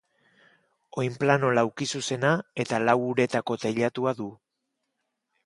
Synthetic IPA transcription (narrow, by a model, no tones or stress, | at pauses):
o̞jmplano̞lawkisuse̞nae̞t̪alawuɾe̞t̪ako̞t̪eʎat̪uaðu